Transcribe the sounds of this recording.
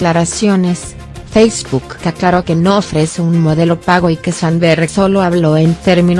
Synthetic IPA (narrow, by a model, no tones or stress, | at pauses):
laɾasjones | fejzbukːeaklaɾoke̞noofɾeseunmoðe̞lo̞paɣo̞ikesanberesoloaβloent̪e̞ɾmĩn